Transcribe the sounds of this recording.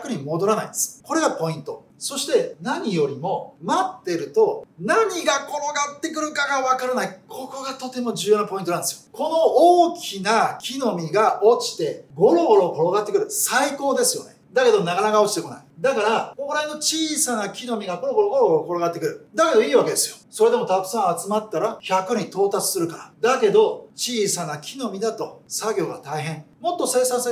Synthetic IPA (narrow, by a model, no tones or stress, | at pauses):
akɯ̟ɲ̟imo̞d̪o̞ɾana̰ḭnd̪esɨ̥ko̞ɾe̞ɡapo̞ĩnt̪o̞ | so̞ɕi̥t̪e̞naɲ̟ijo̞ɾʲimo̞mat̪ːe̞ɾɯ̟t̪o̞naɲ̟iɡako̞ɾo̞ɡat̪ːe̞kɯ̟ɾɯ̟kaɡaβakaɾɯnaikʰo̞ko̞ɡat̪o̞t̪e̞mo̞ʑɨːjo̞ːnapo̞int̪oãnd̪esɨjoko̞no̞oːkʲʰinakʲino̞mʲiɡaʔo̞t͡ɕi̥t̪e̞ɡo̞ɾo̞ɡoɾo̞ko̞ɾo̞ɡat̪ːe̞kɯ̟ɾɯ̟saiko̞ːd̪e̞sɨjo̞̰ne̞d̪ake̞d̪o̞naɡanaɡao̞t͡ɕi̥t̪e̞ko̞na̰id̪akaɾakoɾaino̞t͡ɕiːsanakʲino̞mʲiɡaɡonoɡo̞ɾoɡoɾooko̞ɾoɡat̪ːe̞kɯ̟ɾɯ̟d̪ake̞d̪o̞iːβake̞d̪e̞sɨjo̞so̞ɾe̞d̪e̞mo̞t̪akɯ̟̥sãɰ̃at͡sɨmat̪ːaɾaçakɯ̟ɲit̪o̞ːt̪at͡sɨ̥sɨɾɯ̟kaɾad̪ake̞d̪o̞t͡ɕiːsanakʲʰino̞mʲid̪at̪o̞saɡʲo̞ːɡat̪aiɦẽ̞ɴmo̞t̪ːo̞se̞ːsãs